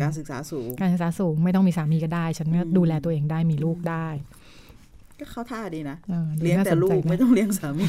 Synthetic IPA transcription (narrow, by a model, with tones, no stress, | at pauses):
kaː˧ns̬ɯ˨˩k̚sa̰ː˨˩˦suː˩˦ŋaː˧nsɯ˨˩k̚saː˩˦suː˩˦ŋma˥˩jt̪ɔ˥˩miː˧saː˩˦miː˧kɔ˥˩daː˥˩jt͡ɕʰa˦˥nkɔː˥˩duː˧lɛː˧t̪u˧ʔeː˧ŋdaː˥˩jmiː˧luː˥˩k̚daː˥˩j | kɔː˥˩kʰa˥˩t̪ʰaː˧˩diː˧na˦˥ʔɤː˧duː˧li˦˥˦naː˥˩ɛslu˦˥t͡ɕa˧kjma˥˩jt̪ɔ˥˩ŋli˦˥əŋsaː˩˦miː˧